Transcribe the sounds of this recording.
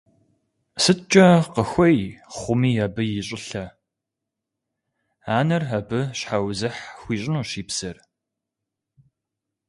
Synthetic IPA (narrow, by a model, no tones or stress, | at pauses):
sɨtt͡ʃʼɐqəxʷɔjχʷʊmiːjabɨjɪɕʼɪɬɐ | aːnɐrɦɐbɨɕħawzɨħxʷiːɕʼɪnuːɕiːpsɐr